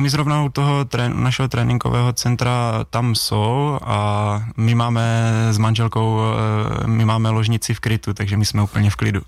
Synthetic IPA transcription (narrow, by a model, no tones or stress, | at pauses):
mɪzɾovnaut̪oɦot̪ɾɛṵnaʃɛɦot̪ɾɛːnʔɪŋɡo̰vɛ̰ːɦot͡sɛnt̪ɾat̪amsowamɪmaːmɛzmanʒɛlkow | mɪmaːmɛloʒɲɪt͡sɪfkɾɪt̪ut̪aɡʒɛmɪsmɛuːpl̩ɲɛfklɪdṵ